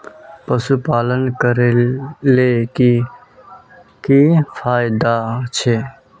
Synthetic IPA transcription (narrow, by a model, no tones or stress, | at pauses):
pəsupaːlənkəɾeleki | kifʰaːjɪd̪at͡ʃʰe